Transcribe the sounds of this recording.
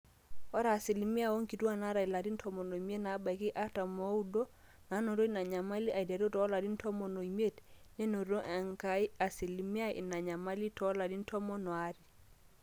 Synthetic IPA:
ɔ˦ɾa˨si˨lmi˦a˦˨wo˦ŋki˨tu˦a˦˨na˦ɾa˨i˨la˨di˦n˦tʰɔ˦mɔ˨no˨me˦tna˨˦ba˨ki˦ʔa˦ta˨mo˨˦u˦do˦ | na˨˦no˨ɾo˦i˦na˨ɲa˨ma˦li˦ʔa˨i˨dɛ˨ɾo˦tɔ˨˦la˨di˦n̩˦tʰɔ˦mɔ˨no˨i˨me˦tnɛ˦no˨ɾo˦ʔa˨ŋka˨i˦a˨si˨lmi˦a˦ḭ˨na˨ɲa˨ma˦li˦tɔ˨˦la˨di˦n˦tʰɔ˦mɔ˦nɔ˨a˦ɾi˨

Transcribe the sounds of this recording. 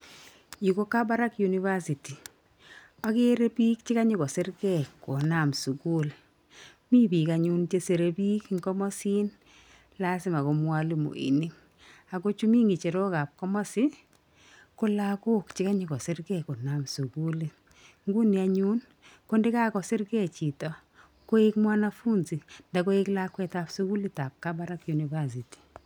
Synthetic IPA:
ji˨ko˦ka˦ba˦ɾa˦kju˨ni˨va˦si˨ti˨ | a˦ke˦ɾe˦pi˦k̚t͡ʃɪ˦ka˦ɲɪ˦kɔ˨sɪ˦ɾkɛ˦˨kːo˨na˨msu˨ku˦l | mi˦bi˨kaɲu˦nt͡ʃe˦se˨ɾe˦bi˦kŋkɔ˦mɔ˦si˦n | la˦sɪ˦ma˨ko˨mwa˦lu˨mo̰˨ḭ˨ni˦ | a˨ko˦t͡ʃu˦mi˦ŋi˨t͡ʃe˨ɾo˦ka˨p̚kɔ˦mɔ˦sɪ˦ | ko˦la˦ko˦kt͡ʃɪ˦ka˦ɲi˨kɔ˨sɪ˦ɾɡɛ˨ko˨na˨msu˨ku˦li˨ | ŋɡu˦ni˨a˨ɲu˦n | ko˦nde˦ka˦kɔ˨sɪ˦ɾɡɛ˦t͡ʃi˨tɔ˨ | ko˦ɪkmwa˦na˦fu˦nzi˨nda˨ko˦ɪ˦kla˦kwɛ˦ta˨psu˦ku˦li˦ta˨p̚ka˦ba˦ɾa˦kju˨ni˨ba˦s̬i˨ti̥˨

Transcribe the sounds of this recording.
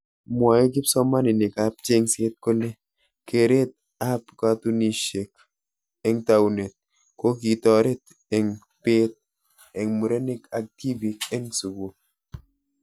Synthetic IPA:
mwa˨jɔ˦k̬i˦psɔ˦ma˦nɪ˨nɪ˨ka˨˦p̚t͡ʃe˦ŋse˦t̚ko˦ne˦ | ke˨ɾe˦t̚ | a˦pka˦tu˦ni˨ʃe˨k | ɛ˦ŋta˨wne˨t̚ | ko˦ki˨tɔ˨ɾe˦t̚ | ɛ˨ŋ | pe˦t̚ | ɛ˨ŋmu˨ɾe˦ne˦ka˨k̚ti˦vi˨kɛ˦ŋsu˨ɡo˨

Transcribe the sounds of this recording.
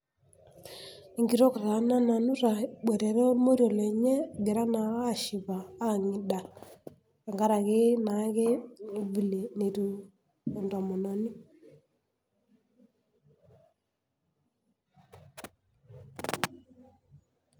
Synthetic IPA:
i˨ŋɡi˨ɾɔ˦ka˨ta˨˦na˦na˨nu˦ɾa˨ɓɛ˨ɾɛ˨ɾɔ˦mo˦ɾjɔ˨le˨ɲɛ˦ɡe˨ɾa˦na˨aː˦˨ʃi˨βaː˨˦˨ŋɪ˨ɗa˨ | a˨ŋɡa˦ɾa˨kɪ˦na˨˦ke˦˨bi˨le˨ne˨tuː˨ | ndɔ˨mɔ˨na˨ni˦

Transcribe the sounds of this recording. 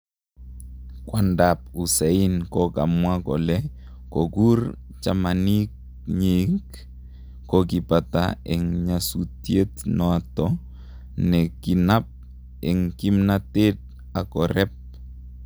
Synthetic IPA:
kwa˨ndapu˨sɛ˨i˦nkɔka̰˨mwa˦kɔ̰˨lɛ˦ | koɡur | t͡ʃamanik̚ | ɲik | kɔɡi˨pata̰ɛ˨ŋɲasu˨tje˦tnɔ˦a˨tɔ | nɛ˨ki˨nap̚ | ɛ˨ŋki˦mnate˦t̚ | a˨kɔɾɛ˦p̚

